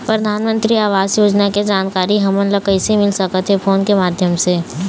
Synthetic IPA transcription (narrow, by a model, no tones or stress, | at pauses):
pɾɐd̪ʱaːnmə̃nt̪ɾiaːʋaːzjoːd͡ʒnaked͡ʒaːnkaːɾiɦɐmənləkəɪsemɪlsɐkət̪ʰɦefʰoːnkemaːd̪ʱjəmse